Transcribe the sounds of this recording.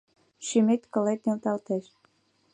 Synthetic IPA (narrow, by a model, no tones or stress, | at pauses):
ʃymet̪kə̆let̪̚nelt̪ɑlt̪eʃ